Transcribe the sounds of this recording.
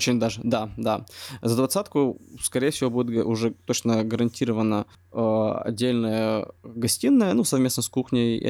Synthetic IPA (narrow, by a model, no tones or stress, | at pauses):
t͡ɕɪnʲd̪aʐɨd̪ad̪azəd̪vɐt̪sat̪kʊskɐɾʲejəfsʲɪvo̞budʲɪt̪̚ʔʊʐɛt̪ot͡ɕnəɡəɾɐnʲtʲiɾəvənə | əɐ̰dʲːelʲnəjəɡɐsʲtʲinːəjənusɐvmʲe̞snəskuxnʲəj̰